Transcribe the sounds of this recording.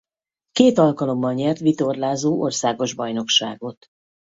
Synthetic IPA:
keːt̪ɒlkɒlo̞mːɒlɲɛrt̪ʋit̪o̞rlaːzoːʔorsaːɡo̞ʒbɒjno̞kʃa̰ːɡo̞t̪

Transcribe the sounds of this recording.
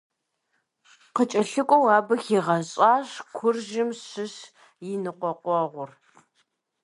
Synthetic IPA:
qət͡ʃʼɐɬɨkʷʼɔwaːbɨxiːʁɐɕʼaːɕkʷʰʊrʒɪmɕɪɕ | jɪnɨqʷɔqʷɔʁʷʊr

